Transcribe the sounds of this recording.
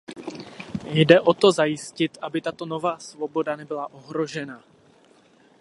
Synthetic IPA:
jdɛʔo̞t̪o̞zajɪscɪt̪ʔabɪt̪at̪o̞no̞vaːsvobo̞danɛbɪlaʔo̞ɦɾo̞ʒɛna

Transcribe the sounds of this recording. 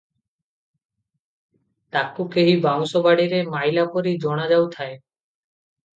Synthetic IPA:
t̪akukeɦibaŋsobaɽiɾemajlapoɾid͡ʒɔɽ̃ad͡ʒawt̪ʰae

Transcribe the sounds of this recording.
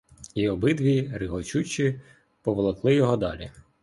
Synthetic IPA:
iɔbɪd̪ʋʲijrɪɦɔt͡ʃut͡ʃi | pɔʋɔlˠɐklˠɪjɔɦɔd̪ɑ̰lʲḭ

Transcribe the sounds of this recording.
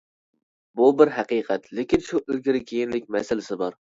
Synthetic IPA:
bʊbɪɾɦæqɨqʰat̪lekʲɪnʃʊʔølɡʲɪɾɪkʲʰejɪnlɪkʲmæsalɪsɪbɒɾ

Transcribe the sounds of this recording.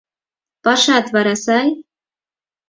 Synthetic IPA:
pɑʃɑt̪βɑɾɑsɑj

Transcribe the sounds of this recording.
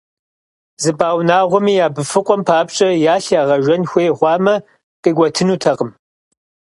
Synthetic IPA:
zɨbaːwnaːʁʷɔmiːjaːbɨfɨqʷʼɔmpʰaːpt͡ʃʼɐjaːɬjaːʁɐʒʷɐnxʷeːʁʷɑːmɐ | qʼiːɡʷɔtʰɨnuːtʰɐqʼəm

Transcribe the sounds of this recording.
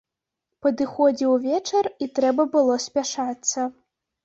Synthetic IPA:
pɐd̪ɨxɔd͡zʲiwvʲɛt͡ʂɐrit̪ɾɛbɐbɨlˠɔsʲpʲaʂat̪sːɐ

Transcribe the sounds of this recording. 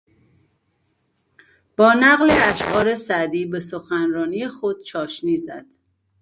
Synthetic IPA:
b̥ɒːnæɣleæʃʔɒːɾesæd̪iːbe̞soxænɾɒːniːjexod̪̥̚t͡ʃʰɒːʃniːzæ̰d̪̥

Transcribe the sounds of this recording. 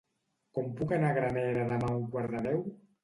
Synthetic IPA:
kɔmpukenaɣɾanɛɾaðamauŋkwaɾðaðɛw

